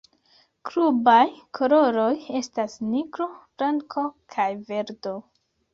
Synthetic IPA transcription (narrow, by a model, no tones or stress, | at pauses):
kɾubajkʰo̞lo̞ɾo̞je̞stasniɡɾo̞fɾaŋkʰo̞kʰajve̞ɾdo̞